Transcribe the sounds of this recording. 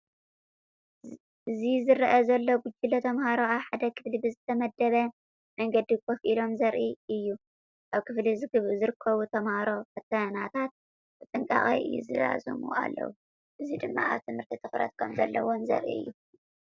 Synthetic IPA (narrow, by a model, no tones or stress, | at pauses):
ʔɨzizɨɾɐʔɐzɐlːo̞ɡʊd͡ʒilot̪ʰɐmhaɾoaβħad̪ɐkʰɨ̥flibɨzɨt̪ʰɐmɐd̪ːɐβɐ | mɐŋɡɐd̪ikʰofʔilo̞mzɐɾʔiɨjːu | ʔaβkʰɨflizɨɡɨβɨzɨɾɨkʰːɐβut̪ʰɐmhaɾo̞kɐt̪ʰːɐnat̪ʰat̪̚ | b̥ɨt͡s̪ʼɨŋkʼa̰χʼḭjɨ̰jːṵzɨ̰za̰zɨ̰mṵa̰lːɐ̰wu | ʔɨzid̪ɨmːa̰a̰βt̪ʰɨmhɨɾt̪ʰit̪ʰɨxɾɐ̰t̪̚kʰomzɐ̰lːɐ̰womzɐ̰ɾʔḭɨ̰jːu